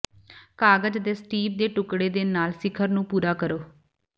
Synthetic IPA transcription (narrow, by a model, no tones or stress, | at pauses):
kaːɡəd͡ʒd̪eːsʈiːp̚d̪eːʈʊkɽeːd̪eːnaːlsɪkʰəɾnũːpuːɾaːkəɾoː